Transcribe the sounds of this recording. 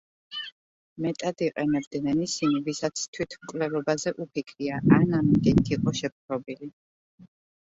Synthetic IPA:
mɛt̪ʼad̪iqʼɛnɛbd̪nɛnisinivisat̪sʰt̪ʰwit̪ʰmkʼlɛlɔbazɛʔupʰikʰɾiaʔanamid̪it̪ʰiqʼɔʃɛp̚χɾɔbili

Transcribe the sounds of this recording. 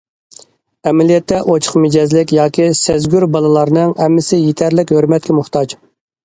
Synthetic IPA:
ɛmɛlijɛt̪ʰːɛʔot͡ʃʰə̥χmɪd͡ʒɛzlɪkʲjɑːkʲisæzɡʲyɾbɑlˠɨlˠɑɾnɨŋɛmːɪsɪjet̪ʰæɾlɪkʲhøɾmɛt̪̚kʲɛmʊχt̪ɑd͡ʒ

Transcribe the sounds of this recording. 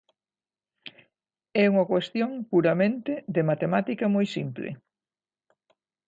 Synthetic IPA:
ɛuŋɐkwest̪joŋpuɾɐmẽnt̪ɪðemat̪emat̪ikɐmojsimplɪ̰

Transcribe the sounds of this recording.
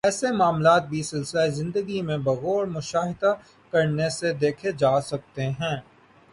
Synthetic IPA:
ɛːsemaːmlaːt̪̚bʱisɪlsɪlaezɪ̃nd̪əɡimẽbɐɣɔːɾmʊʃaːɦɪd̪a | kɐɾnesed̪eːkʰed͡ʒaːsɐk̚t̪eɦɛ̃ː

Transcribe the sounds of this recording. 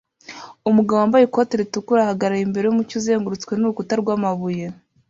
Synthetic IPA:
umuɡawoaːmbajekoteɾitukuɾahaɡaɾaimbe̞ɾe̞jumucuze̞ːŋɡuɾut͡skwe̞nuukutaɾɡwaːmaβuje̞

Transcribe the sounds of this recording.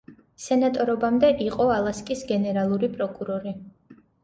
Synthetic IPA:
sɛnat̪ʼɔɾɔbamd̪ɛʔiqʼɔalˠaskʼisɡɛnɛɾalˠuɾipʼɾɔkʼuɾɔɾi

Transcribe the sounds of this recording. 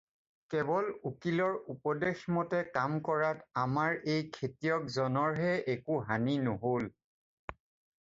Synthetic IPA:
kɛbɔlukilɔɹupɔdexmɔtɛkamkɔɹatamaɹejkʰetijɔkzɔnɔɹɦɛʔekuɦaninoɦol

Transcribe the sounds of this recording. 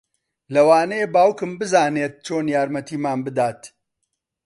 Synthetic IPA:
lɐwaːnɐjebaːwkɨmbɨzaːneːt̪̚t͡ʃoːnjaːɾmɐt̪iːmaːnbɨd̪aːt̪

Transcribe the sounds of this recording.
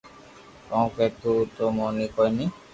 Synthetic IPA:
kɔw̃ket̪ut̪omɔnikɔjni

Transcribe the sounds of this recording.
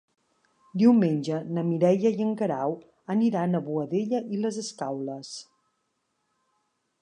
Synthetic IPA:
d̪iwmenʲd͡ʒənəmiɾɛʎəjəŋkəɾaw | əniɾanəβuəðeʎəʔiləzəskawləs

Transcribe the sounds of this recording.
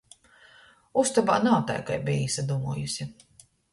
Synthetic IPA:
ust̪aba̰ːnaːt̪a̰jka̰jbijisad̪umuːjusʲi

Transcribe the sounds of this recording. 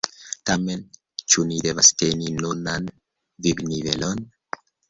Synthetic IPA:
tamen | t͡ʃunidevasteninunan | vibnive̞̰lon

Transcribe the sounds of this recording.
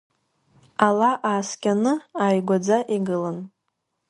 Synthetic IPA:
alaʔaːskʲʼanɨaːjɡʷad͡zaʔiɡɨlan

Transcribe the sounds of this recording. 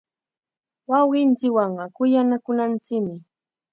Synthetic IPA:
wɑwɢɪnt͡sɪkwɑɴɢɑkʊjanakʊnant͡sɪkmɪ

